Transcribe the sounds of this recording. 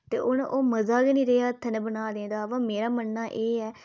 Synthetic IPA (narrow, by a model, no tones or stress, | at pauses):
t̪eːʔʊnʔoːməzaːɡiːnĩːɾeːaːt̪ʰənɛbənaːd̪ẽːd̪aːʋaːmeːɾaːmənːaːʔeːɛː